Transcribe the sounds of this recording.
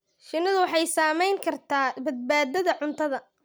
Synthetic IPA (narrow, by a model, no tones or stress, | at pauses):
ʃɪnːɐðʊwɑħɑjsaːmɛjŋkʰɐrt̪ʰaːbɐd̪̚baːd̪ɐðɐʕʊnt̪ʰɐðɐ